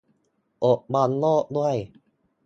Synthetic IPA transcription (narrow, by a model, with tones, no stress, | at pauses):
ʔo˨˩t̚bɔ˧nloː˥˩k̚d̪u˥˩əj